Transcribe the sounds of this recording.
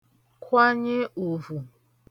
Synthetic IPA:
kʷa˦ɲe˦ʔo˨vu˨

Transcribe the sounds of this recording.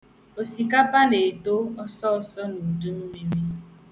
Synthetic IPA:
o˨si˨ka˦pa˦ne˨to˦ɔ˦sɔ˦ɔ˦sɔ˦nu˨du˦m̩˦mi˦mi˦

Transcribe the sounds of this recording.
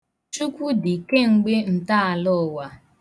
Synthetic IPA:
t͡ʃu˦kʷu˦dɪ˨ke˦ŋ͡m̩˨ɡ͡be˦n̩˨ta˦a˨lʊ˦˨wa˨

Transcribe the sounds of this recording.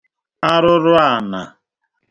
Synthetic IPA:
a˦ɾʊ˦ɾʊ˦a˦˨na̰˨

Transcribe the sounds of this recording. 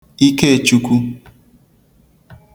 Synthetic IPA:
i˦ke˦e˨t͡ʃu˦kʷu˦

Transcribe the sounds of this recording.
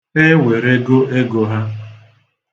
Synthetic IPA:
e˦we˨ɾe˦ɡo˦ʔe˦ɡo˨ɦa˦

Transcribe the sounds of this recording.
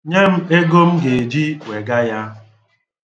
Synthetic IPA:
ɲe˦m̩˦e˦ɡo˦m̩˦ɡe˨e˨d͡ʒi˦we˨ɡa˦ja˦

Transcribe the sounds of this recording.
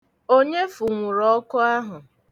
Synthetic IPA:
o˦ɲe˦fʊ˨ŋʷʊ˨ɾɔ˦kʊ˦a˦ɦʊ˨

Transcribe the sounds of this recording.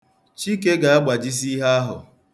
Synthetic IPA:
t͡ʃi˦k̬e˦ɡa˨a˦ɡ͡ba˨d͡ʒi˦s̬i˦ɦa˦a˦ɦʊ̰˨

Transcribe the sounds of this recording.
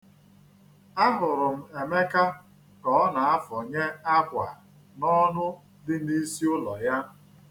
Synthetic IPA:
a˦ɦʊ˨ɾʊ˨m̩˨e˨me˦ka˦ | kɔ˦na˨a˦fɔ˨ɲe˦a˦kʷa̰˨ | nɔ˦nʊ˦ | dɪ˦ni˦si˦ʊ˦lɔ˨ja˦

